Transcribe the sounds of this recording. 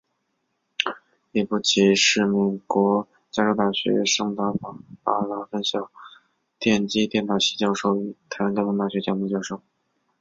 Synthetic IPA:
i˥˩pu˥˩t͡ɕʰi˧˥ʂɻ̩˥˩me˨˩ɪkwɔ˧˥ | t͡ɕja˥ʂo˥ʊt̪a˥˩ɕɥɛ̰˧˥ʂɤ˥ŋt̪a˥fɑ˨˩pa̰˥˩lɑ˧˥˩fə˥nɕjɑ˥˩ʊ | t̪jɛ˥˩nt͡ɕi˥t̪jɛ˥˩nt̪ɑ˥˩ɕi˧˥t͡ɕjɑ˥˧ʊʂo˥˩ʊy˨˩t̪ʰa˥ɻa˧˥t̪a˥˩˧t̪a˥˩ɕɥɛ˧˥t͡ɕjɑ˧˥mu˥˧t͡ɕjɑ˥˧ʊʂo˥˩ʊ

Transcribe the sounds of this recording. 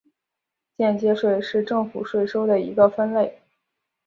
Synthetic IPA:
t͡ɕjɛ˥˩nt͡ɕjɛ˥ʂwe˥˧ɪʂɻ̩˥˧ʈ͡ʂɤ˥˩ŋfu˨˩ʂwe˥˩ɪʂo˥ʊd̪ə˨˩ḭ˧˥ɡə˧fə˥nle˥˩ɪ

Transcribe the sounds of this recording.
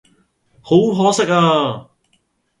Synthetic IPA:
ho˨˥wɦɔː˨˥sɪ˥k̚aː˧

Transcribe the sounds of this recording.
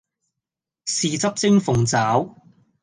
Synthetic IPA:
siː˨t͡sɐ˥p̚t͡sɪ˥ŋfʊ˨ŋt͡saː˨˥w

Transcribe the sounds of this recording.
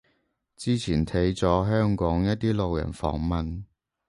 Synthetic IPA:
t͡siː˥t͡sʰiː˨˩nt̪ʰe˨˥jt͡sɔː˨˥ɦœː˥ŋkɔː˨˥ŋjɐ˥t̚t̪iː˥lo˨wjɐ̰˨˩nfɔ̰ː˨˥˩ŋmɐ˨n

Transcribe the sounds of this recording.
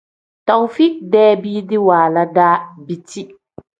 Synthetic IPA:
tɔ˨ŋfi˦k̚dɛː˦biː˦dɪ˦waː˨la˦daː˦bi˦ti˦

